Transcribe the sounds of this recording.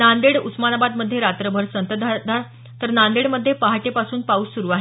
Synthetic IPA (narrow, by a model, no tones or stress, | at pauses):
nand̪eɽusmanabad̪məd̪ʱːjeɾat̪ɾəbʱəɾsənt̪əd̪ʱad̪ʱaɾ | t̪əɾnand̪eɽməd̪ʱːjepaɦaʈepasuːnpauːsuɾuaɦe